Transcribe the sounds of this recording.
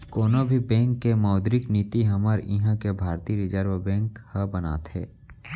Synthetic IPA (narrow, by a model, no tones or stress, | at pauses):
koːnobʱibɛ̃ːŋkːemaːd̪ɾɪkniːt̪iɦɐmaɾɪɦãkebʱaːɾt̪iːɾɪd͡ʒəɾʋəbɛ̃ːŋkhəbəna̰ːt̪ɦɛ̰ː